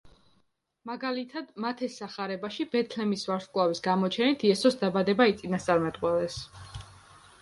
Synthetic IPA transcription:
maɡalit̪ʰad̪mat̪ʰɛsːaχaɾɛbaʃibɛt̪ʰlɛmisvaɾt̪kʼlˠavisɡamɔt͡ʃʰɛnit̪ʰiɛsɔsd̪abad̪ɛbait̪sʼinast̪sʼaɾmɛt̪ʼqʼwɛlɛs

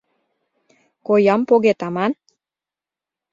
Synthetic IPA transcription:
kojɑmpoɣet̪ɑmɑn

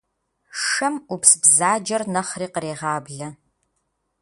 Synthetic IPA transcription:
ʂɐmupsbzaːd͡ʒɐrnɐχriːqəɾeːʁɑːbɮɐ

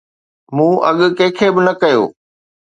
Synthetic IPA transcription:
mũːʔɐ̰ɠʊ̆kɐ̃ːkʰeːbɪnɐkɐjo̰ː

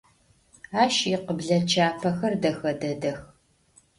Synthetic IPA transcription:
aːʃɪqəbɮɐt͡ʃʰaːpʰɐxɐrdɐxɐdɐdɐx

